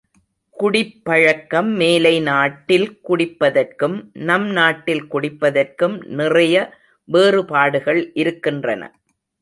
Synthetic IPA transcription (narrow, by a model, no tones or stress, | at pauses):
kʊɽɪpːɐɻɐkːɐmːeːlɐɪnaːʈːɪlkʊɽɪpːɐðɐrkɯmnɐmnaːʈːɪlkʊɽɪpːɐðɐrkɯmnɪrɐjɐ | ʋeːrɯpaːɽɯɣɐɭʔɪɾɯkːɪndrɐnɐ̰